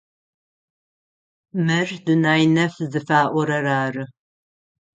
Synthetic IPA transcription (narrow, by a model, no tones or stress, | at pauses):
mɨrdunaːjnɐfzɨfaːʔʷɔɾɐɾaːrɨ